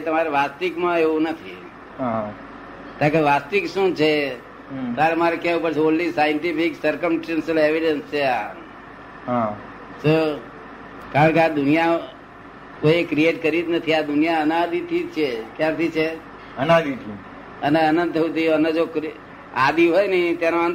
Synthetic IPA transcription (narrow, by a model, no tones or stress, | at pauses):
t̪əmaɾeʋast̪ikmãeʋũnət̪ʰi | ɦa | t̪ãkeʋast̪ikʃũt͡ʃʰe | t̪aɾemaɾekjɛũpəɾt͡ʃʰeonlisajəɳʈipiksəɾkəmsʈensəleʋiɖənst͡ʃʰea | ɦã | so | kaɾəɳkead̪ʊnija | koiekɾieʈkəɾid̪nət̪ʰiad̪ʊnijaənad̪it̪ʰit͡ʃʰekjãt̪ʰit͡ʃʰe | ənad̪it̪ʰi | əneənənd̪̚t̪ʰəʋũt̪ʰiəned͡ʒokɾi | ad̪iɦojnit̪janõan